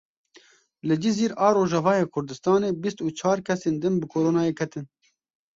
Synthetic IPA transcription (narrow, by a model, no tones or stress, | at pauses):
lɨd͡ʒiziːɾɑːɾoːʒɛvɑːjeːkʰʊɾd̪ɨst̪ɑːneːbist̪uːt͡ʃʰɑːɾkʰɛseːnd̪ɨnbɨkʰoːɾoːnɑːjeːkʰɛt̪ɨn